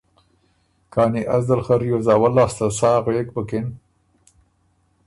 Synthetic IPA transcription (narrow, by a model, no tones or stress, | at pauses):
kaːniʔazd̪alχɐɾjozɑːwalːaːst̪ɐsɑːɣek̚bəkɪn